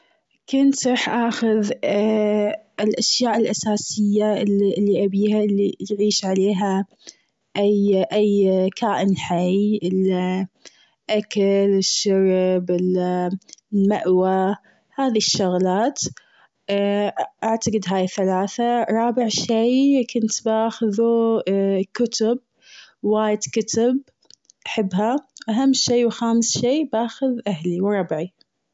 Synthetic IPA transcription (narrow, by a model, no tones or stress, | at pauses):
kʊnt̪ɾˤɑħʔaːxʊð | ɪlʔaʃjaːʔɪlʔasaːsɪjːallːiʔabiːhalːijʕiːʃʕaleːɦa | ʔajʔajːkʰaːʔɪnħajʔɪl | ʔakalɪʃːɑɾbɪl | maʔwa | haːðiʃːʊɣlaːt̪ | ʔaʕt̪aqɨd̪ɦaːjθalaːθaɾˤɑːbɪʕʃijkʊnt̪baːxʊðu | kʊt̪ʊb̚ | waːjɪd̪kʊt̪ʊb̚ | ʔaħɪbːɦawʔaɦamːʃeːwxaːmsʃeːbaːxʊðʔahliwɾˤɑbʕi